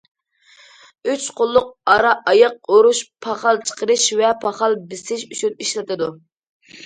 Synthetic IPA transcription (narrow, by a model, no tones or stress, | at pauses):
yt͡ʃqʰʊlˠːʊq̚ɑɾɑʔɑjɑq̚oɾuʃpʰɑχɑlˠt͡ʃʰə̥qəɾɨʃvɛpʰɑχɑlˠbɪsɪʃyt͡ʃʰyniʃlɪt̪ʰɨd̪u